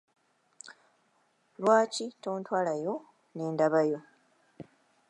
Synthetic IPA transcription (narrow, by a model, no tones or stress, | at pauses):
lwaːcito̞ːntwaːlajo̞ | neːndaβajo̞